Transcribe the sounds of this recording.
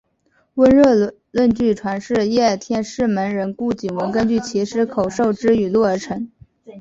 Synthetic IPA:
wə˥nɻɤ˥˧ | lwə˥˧nt͡ɕy˥˩ʈ͡ʂʰwa˧˥nʂɻ̩˥˩jɛ˥˩t̪ʰjɛ˥˧nʂɻ̩˥˩mə˧˥nɻə˧˥nku˥˩t͡ɕi˨˩ŋwə˧˥nkə˥nt͡ɕy˥˩t͡ɕʰi˧˥ʂɻ̩˧˥kʰo˨˩ʊʂo˥˩ʊʈ͡ʂɻ̩˥y˨˩lwɔ˥˩ə˞˧˥ʈ͡ʂʰɤ˧˥ŋ

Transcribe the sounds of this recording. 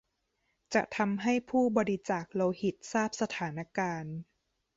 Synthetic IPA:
t͡ɕa˨˩ʔt̪ʰa˧mɦa˥˩jpʰuː˥˩bɔː˧ɾi˧t͡ɕaː˨˩k̚loː˧hi˨˩t̪̚saː˥˩p̚sa˧t̪ʰaː˩˦na˦˥kaː˧n

